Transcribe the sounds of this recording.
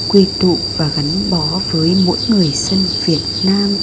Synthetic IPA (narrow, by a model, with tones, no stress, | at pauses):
kwi˧t̪ṵ˧˨vaː˨˩ɣa˨˦ŋ̟ɓɔ˨˦vəː˨˦jmo̰˧˥jŋɨ˨˩əjsə˧nvi˨˩ət̚naː˧m